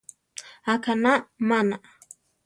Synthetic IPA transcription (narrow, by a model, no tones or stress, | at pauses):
akʰanamana